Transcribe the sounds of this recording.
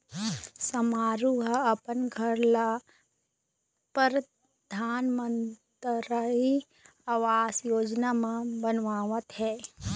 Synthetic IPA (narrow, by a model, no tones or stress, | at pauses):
sɐmaːɾuɦɐpənɡʱəɾla | pəɾ | d̪ʱaːnmə̃nt̪ɾai | aʋaːsjoːd͡ʒnamãbənʋaːʋət̪ɦɛː